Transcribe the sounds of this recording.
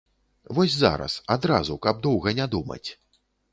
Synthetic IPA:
vɔsʲza̰ɾɐ̰sad̪ɾazukɐb̚d̪ɔwɣɐnʲad̪umɐ̰t͡sʲ

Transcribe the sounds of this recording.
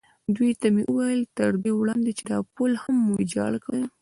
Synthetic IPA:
d̪wijt̪ameʔəwajəlt̪əɾd̪ewɽɑnd̪et͡ʃed̪ɑpolhamːuid͡ʒɑ̰lkaw

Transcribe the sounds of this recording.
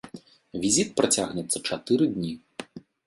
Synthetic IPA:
vʲizʲit̪̚pɾat͡sʲaɣnʲɛt̪sːɐt͡ʂat̪ɨɾɨd̪ʲnʲi

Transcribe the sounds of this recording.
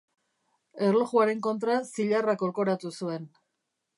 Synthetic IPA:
e̞rloɣuaɾe̞ŋko̞nt̪ɾasiʎarako̞lko̞ɾat̪usue̞n

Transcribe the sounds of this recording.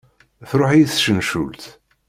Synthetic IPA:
θɾˤoħjiθʃənʃṵlt̪

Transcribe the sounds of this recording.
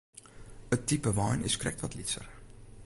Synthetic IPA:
ətːipəʋɑjnɪskrɛ̰k̚tʋɔtlitsə̰r

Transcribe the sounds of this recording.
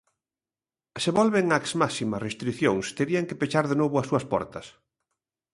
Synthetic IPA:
seβɔlβeŋaksmasimɐsrest̪ɾiθjoŋst̪eɾiaŋkepet͡ʃaɾðenoβʊɐsuɐspɔ̰ɾt̪ɐs

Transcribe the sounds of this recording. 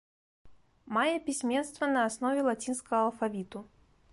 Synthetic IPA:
majɐpʲisʲmʲɛnst̪vɐnɐːsnɔvʲɛlˠat͡sʲinskɐɣɐːlˠfavʲit̪u

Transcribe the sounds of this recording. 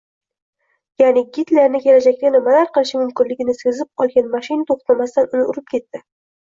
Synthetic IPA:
janɪɡʲɪt̪laɾnɪkʲe̞lad͡ʒak̚ʲt̪anɪmalaɾqɨlˠɪʃɪmʊmkʲɪnlɪɡʲɪnɪsezɪp̚ɒlˠɡʲanmaʃɪnt̪ʰoχt̪ʰamast̪anʊnɪʊɾɪp̚kʲʰe̞t̪ːɪ

